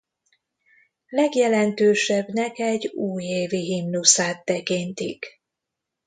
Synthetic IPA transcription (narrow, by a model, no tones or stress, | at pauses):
lɛɡjɛlɛnt̪øːʃɛbnɛkɛɟːuːjeːviɦimnusaːt̪ːɛkint̪ḭk